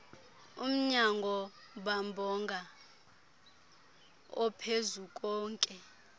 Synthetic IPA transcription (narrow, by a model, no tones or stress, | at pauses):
um̩ɲaŋɡʱɔɓambʱɔŋɡʱa | ɔpʰezuk̬ʼɔːŋkʼɛ